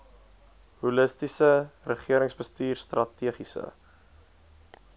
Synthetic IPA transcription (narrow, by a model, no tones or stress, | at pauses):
huləstisərəχiəɾəŋsbəstiːrstrɐtiəχisə̰